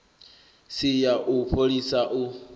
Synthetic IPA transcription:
sijaʔupʰolisaʔu

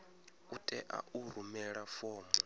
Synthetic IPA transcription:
utʼɛ̰ʔa̰ʔuɾumɛɺafɔːm

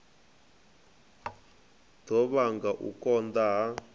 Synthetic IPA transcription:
d̥ɔβaŋɡaʔṵkɔnd̪aɦa

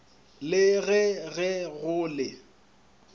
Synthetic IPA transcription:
lɪɣɛɣɛɣʊːlɪ

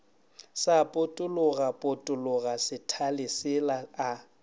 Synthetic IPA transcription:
sapʼʊtʼʊlʊɣapʼʊtʼʊlʊɣasɪtʰalɪsɪlaa

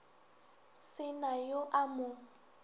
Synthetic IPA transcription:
sɪnajoʔamʊ

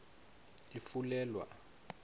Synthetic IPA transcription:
ifulɛːlwa̰

